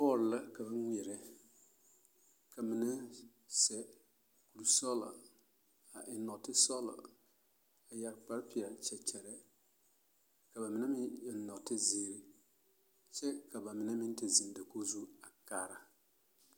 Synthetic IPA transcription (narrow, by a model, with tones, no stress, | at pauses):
pɔː˦˨ɾla˦ka˨ba˦ŋ˦ŋʷ˨ɛ˨ɾɛ˦ | ka˨mɪ˨na˦ | sɛ˨ | ku˨lu˦sɔ˦la̰˨ | a˨ʔɪ˨nɔ˨tɪ˦sɔ˦la̰˨ | a˨ja˨ɾk͡pa˦ɾpi˨a˨t͡ʃɛ˨t͡ʃɛ˨ɾɛ˦ | ka˨ba˨mɪ˨na˦mɪ̃˦jɛ˨˦nɔ˨tɪ˦ziː˨ɾɪ˦ | t͡ʃɛ˦ka˨ba˨mɪ˨na˦mɪ˦n˦tɪ˨zi˨ŋda˨ko˦zu˦a˨kaː˨ɾa˨